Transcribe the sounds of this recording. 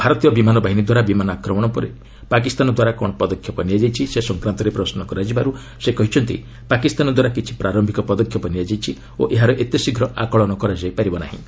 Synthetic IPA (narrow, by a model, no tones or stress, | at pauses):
bʱaɾɔt̪ijɔbimanɔbaɦinid̪waɾabimanɔakɾɔmɔɽ̃ɔpɔɾe | pak̬ist̪anɔd̪waɾakɔɽ̃ɔpɔd̪ɔkʰjɔpɔniad͡ʒajt͡ʃʰisesɔŋkɾant̪ɔɾepɾɔsnɔkɔɾad͡ʒibaɾu | sekɔɦit͡ʃʰɔnt̪ḭ | pakist̪anɔd̪waɾakit͡ʃʰi̥pɾaɾɔmbʱikɔpɔd̪ɔkʰjɔpɔniad͡ʒajt͡ʃʰi | o̰ʔeɦaɾɔʔet̪jɔsiɡʱɾɔʔa̰kɔɭɔñɔkɔɾad͡ʒajpaɾibɔna̰ɦḭ̃